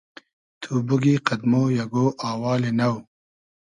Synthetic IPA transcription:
t̪ʰubuɡiqɐd̪moːjɐɡoːʔaːwɑːlenɐw

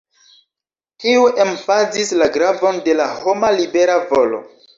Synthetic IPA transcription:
tiuʔemfazislaɡɾavo̞nde̞laho̞malibe̞ɾavo̞lo̞̰

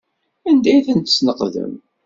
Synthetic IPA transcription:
ænd̪æjθənt̪əsnəqðə̰m

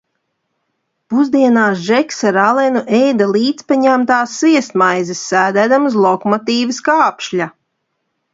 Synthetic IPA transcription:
puzd̪iɛnaːsʒɛksaɾalˠɛnuʔɛjd̪alˠiːt̪spaɲæmt̪aːsːviɛst̪majzisːæːd̪æd̪amuzlˠɔkɔmɔt̪iːvɪskaːpʃʎʲa

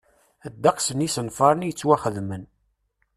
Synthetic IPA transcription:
æd̪ːɑqsənisənfɑɾˤənjət͡sːwæχəðmən

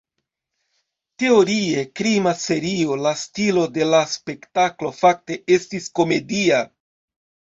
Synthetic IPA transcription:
te̞o̞ɾie̞kɾimase̞ɾio̞lastilo̞de̞laspe̞ktaklo̞fak̚te̞e̞stisko̞me̞dia

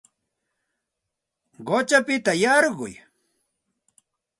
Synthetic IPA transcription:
ɢot͡ʃapɪt̪ajɑɾɢʊ̰j

